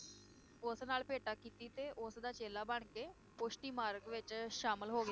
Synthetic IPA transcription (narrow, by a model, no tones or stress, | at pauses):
ʊsnaːlpeːʈaːkiːt̪iːt̪eːʔʊsd̪aːt͡ʃeːlaːbəɳ̃keː | pʊʃʈiːmaːɾəkʋɪt͡ʃʃaːməlɦoːɡaː